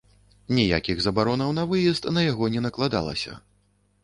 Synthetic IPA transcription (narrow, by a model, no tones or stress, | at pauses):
nʲija̰kʲiɣzɐbaɾɔnɐwnɐvɨjɛst̪nɐjaɣɔnʲɛnɐklˠad̪a̰lˠɐ̰sʲɐ̰